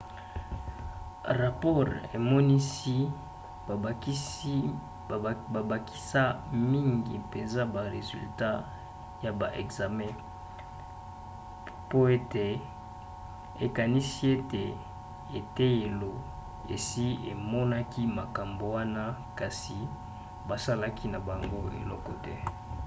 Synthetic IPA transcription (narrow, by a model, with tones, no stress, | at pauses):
ʁa˨pɔ˦ʁe˨mɔ˦ni˦si˦ | ba˨ba˨kʰi̥˦sa˦mi˦ŋɡḭ˨pe˨nza˦ba˨ʁe˨zy̰˨lta˦ | ja˨ba˨ʔɛ̰˨kza˨mɛ̃˦ | po˦e˦te˨ | e˨ka˨ni˦si˦e˦te˨ | e˨te˦je˨lo˨ | ḛ˨si˦e˨mɔ˦na˦ki˦ma˨ka˨mbo˨wa˦na˦ka˨si˨ | ba˨sa˦la˦kʰi˦na˨ba˨ŋɡo˦ḛ˨lɔ̰˦kɔ˦tɛ˦